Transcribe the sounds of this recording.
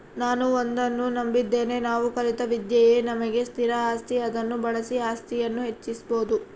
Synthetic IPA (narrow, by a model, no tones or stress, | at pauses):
naːnuond̪ɐnːunɐmbid̪ːe̞ːne̞naːʋukɐlit̪ɐʋid̪jɐje̞ːnɐmɐɡe̞st̪ʰiɾɐaːst̪iɐd̪ɐnːubɐɭɐsiaːst̪ijɐnːuɦe̞t͡ʃːisboːd̪u